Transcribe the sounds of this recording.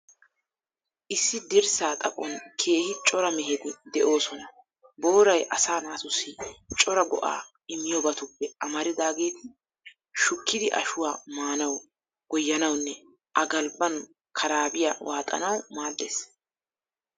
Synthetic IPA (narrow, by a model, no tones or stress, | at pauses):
ʔɪsːɪd̪ɪɾsaːt̪ʼɐpʼɔnkʰe̞ːhɪt͡ʃʼɔɾɐmɛɦed̪ɪd̪ɛʔo̞ːsɔnɐ | bo̞ːɾɐjʔɐsaːnaːsʊsit͡ʃʼɔɾɐɡɔ̰ʔa̰ː | ɪmɪjɔbɐt̪ʊpːɛʔɐmɐɾɪd̪aːɡe̞ːt̪ɪ | ʃʊkːɪd̪ɪʔɐ̰ʃʊwaːmaːnɐw | ɡ̥ɔjːɐnɐwnːɛ | ʔɐɡɐlbːɐn | kʰɐɾaːbɪjawaːt̪ʼɐ̰nɐwmaːd̪ːḛːs